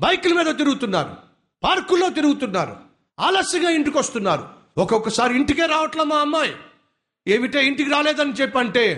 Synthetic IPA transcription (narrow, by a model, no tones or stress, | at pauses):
bɐjkulɐmiːd̪ɐt̪iɾuɡut̪unːa̰ːɾṵ | paːɾkulːo̞ːt̪iɾuɡut̪unːaːɾṵ | aːlɐsɐŋɡaːiɳʈikʋɐst̪unːa̰ːɾṵ | ɔkokːɐsaːɾiiɳʈike̞ːɾaːʋɐʈlaːmaːɐmːaːj | eːʋiʈe̞ːiɳʈikiɾaːleːd̪ɐnit͡ʃɛpːɐɳʈe̞ː